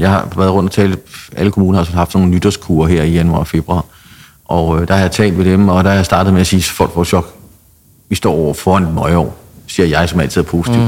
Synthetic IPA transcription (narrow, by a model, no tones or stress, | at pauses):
jɑ̈ɪhɑ̈ʋæɐð̩ˠɔ̽nd̥ɒ̽t͡sʰɛːlʔæləkʰo̝muːnɐhɑsɔnhɑ̈fd̥no̝ːnənyd̥ɐskʰuɐɦeɐ̰ijænuɑ̰̈fe̝b̥ʁuɑ̈ː | ʔɒd̥ɑhɑ̈jɑ̈ɪt͡sʰɛ̰ːld̥ʋe̝d̥emɒ̽d̥ɑhɑjasd̥ɑ̈ːd̥ð̩ˠmeæsiːsfɒ̥fɒɕɒ̽ɡ̥ | ʋisd̥ɒ̰ːɒʊ̰ɐfɒːænd̥mɒ̽ɪɒ̰ːsiɐjɑ̈ɪsɒmæl̰t͡sʰið̩̰ˠɐpʰo̝ːsi̥t͡sʰḭʊ̰̥